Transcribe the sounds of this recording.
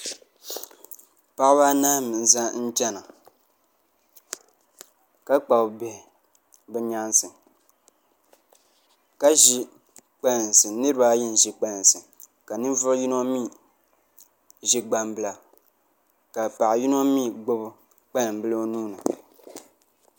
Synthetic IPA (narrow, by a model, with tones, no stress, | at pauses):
pa˦ʔba˦naː˦mɨ˨n̩˨za˦n̩˦tɛ˦na˨ | ka˦k͡pa˨bbɛ˨ | bɛ˦ɲa˦nsɨ˨ | ka˦ʒi˦ | k͡pɛ˦n˨n˨sɨ˨nɨ˦ɾɨ˦ba˦ji˦n˨ʒi˨k͡pɛ˦n˨sɨ˨ | ka˨nɨ˦n˦vʊ˦ɾji˦no˦mi˦˨ | ʒi˦ɡ͡ba˨mbɨ˨la˨ | ka˨pa˨ʔji˦no˦mi˦˨ɡ͡bo˦b | k͡pa˦nɨ˨mbɨ˦lo˦nuː˦nɨ˨